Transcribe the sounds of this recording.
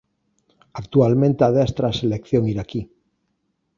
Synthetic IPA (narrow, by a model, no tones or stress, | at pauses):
akt̪ualmẽnt̪eaðest̪ɾaselekθjoŋiɾaki